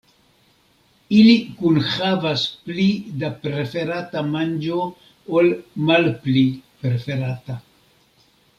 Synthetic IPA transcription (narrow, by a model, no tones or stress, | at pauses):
ilikunhavasplidapɾe̞fe̞ɾatamand͡ʒo | olmalplipɾefe̞ɾata